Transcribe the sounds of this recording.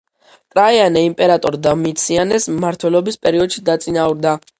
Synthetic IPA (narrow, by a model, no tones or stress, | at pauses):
kʼɾaianɛimpʼɛɾat̪ʼɔɾd̪amiːt̪sʰianɛsmaɾt̪ʰwɛlɔbispʼɛɾiɔd̪ʃid̪at̪sʼinauɾd̪a